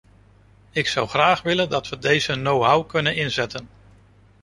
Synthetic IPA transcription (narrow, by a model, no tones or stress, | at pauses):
ɪksʌwχraːχʋɪləndɑtʋədejz̥ənowɦawkɵnənɪnzɛtən